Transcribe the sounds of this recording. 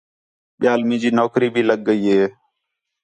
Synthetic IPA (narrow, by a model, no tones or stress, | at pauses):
ɓɪjaːlmĩːd͡ʒiːnoːkɾiːbʱiːləɠːəiːɦeː